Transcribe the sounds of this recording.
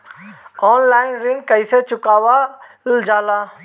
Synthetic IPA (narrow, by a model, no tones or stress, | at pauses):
ɔːnlaːɪnɾɪ̃ŋɡkəiset͡ʃʊkaːʋa | ld͡ʒaːlaː